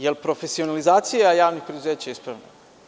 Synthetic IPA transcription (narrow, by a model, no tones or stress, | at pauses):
jelpɾo̞fesionalizaːt̪sijeajaːʋnixpɾed̪uzeːt͡ɕaispɾa̰ʋna